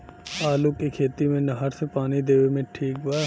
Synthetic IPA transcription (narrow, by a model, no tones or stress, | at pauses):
aːlukːekʰeːt̪imẽnɐɦəɾsepaːnid̪eːʋemẽʈʰiːk̚baːɾ